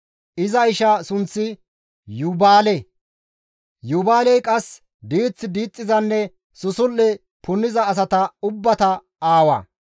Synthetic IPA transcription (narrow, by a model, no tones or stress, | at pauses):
ʔɪzɐɪʃɐsʊnt͡sːɪ | jʊbaːlɛ | jʊbaːlɛjkʼɐs | d̪iːt͡sːɪd̪iːt͡sʼːɪzɐnːɛ | sʊsʊlːɛ | pʊnːɪzɐːs̬ɐt̪ɐʊbːɐt̪ɐ | aːwɐ̰